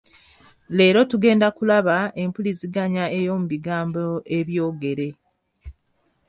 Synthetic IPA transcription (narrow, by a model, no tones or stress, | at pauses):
le̞ːɾo̞tuɡe̞ːndakulaβae̞mpuliziɡaɲae̞jo̞muβiɡaːmboe̞βjo̞ːɡe̞ɾe̞